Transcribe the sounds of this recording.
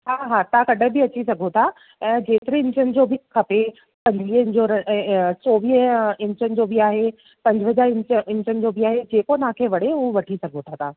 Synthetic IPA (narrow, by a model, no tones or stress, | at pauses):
ɦaːɦaːt̪akɐɗʱə̃bɪɐt͡ɕisɐɡʱot̪ʰa | ɛ̃ːd͡ʑeːt̪ɪɾẽɪ̃ɲt͡ɕənɪ̆d͡ʑoːbʱɪkʰɐpe | pɐ̃ɲd͡ʑʋiːɦɪ̃ɲd͡ʑoɾɐsoːʋiːɦɪ̃ɲt͡ɕənɪ̆d͡ʑoːbɪaːɦe | pɐ̃ɲd͡ʑəəd͡ʑaːɾɪ̃ɲt͡ɕəɪ̃ɲt͡ɕənɪ̆d͡ʑoːbʱɪaːɦed͡ʑeːkonaãkʰeʋɐɽeɦũːʋɐʈʰisɐɡʱot̪ʰat̪ʰaː